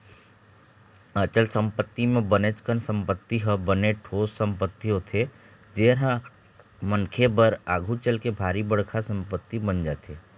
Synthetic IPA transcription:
ət͡ʃəlsə̃mpət̪ːimẽbənet͡ʃkənsə̃mpət̪ːiɦəbəneʈʰoːssə̃mpət̪ːiõt̪ʰe | d͡ʒeːɾa | mənkʰebəɾaːɡʱut͡ʃəlkebʱaːɾibəɽkʰasə̃mpət̪ːibənd͡ʒaːt̪ʰeː

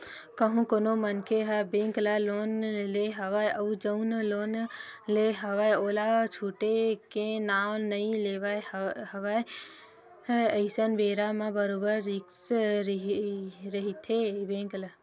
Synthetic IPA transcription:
kəɦũkonomənkʰeɦabẽŋklalonleɦəʋajəd͡ʒəunlonleɦəʋajoːlat͡ʃʰuʈekenaːlnəĩleʋajɦəʋaj | əɪsənʋeːɾamãbəɾobəɾːiks | ɾəɦit̪ʰebẽŋkla

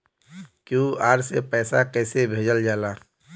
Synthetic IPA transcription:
kjũːaːɾsepɛːsakɛːsebʱeːd͡ʒəld͡ʒaːlaː

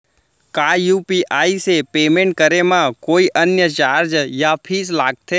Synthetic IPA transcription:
kajupiʔaisepemẽɳʈ̚kəɾemãkoiʔənjət͡ʃaɾd͡ʒjapʰislaɡ̚t̪ʰe

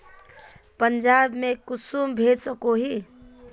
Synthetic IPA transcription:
pənd͡ʒaːbmẽkʊsuːmbʱeːd̪səkoɦi

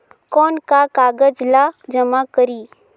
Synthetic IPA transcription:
kɔːnkakaːɡəd͡ʒlad͡ʒəmakəɾiː

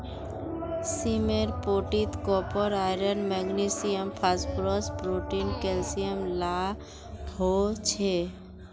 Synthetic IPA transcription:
simeɾpoːʈit̪kɔpəɾaɪɾənmɛɡnisijəmpʰasplɔsbɾoʈinkelsijəmla | ɦot͡ʃʰe

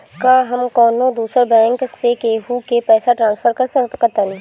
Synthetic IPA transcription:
kaɦɐmkɔːnõd̪uːsəɾbɛ̃ːŋksekeːɦukepɛːsaʈɾãːnsfʰəɾkɐskɐɾt̪aːnĩ

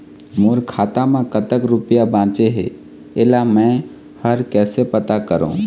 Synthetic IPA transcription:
muːɾkʰaːt̪amẽkət̪əkɾʊpijabãːt͡ʃeɦḛ | elamɛ̃ | həɾkɛːsepət̪akəɾõ̰ː

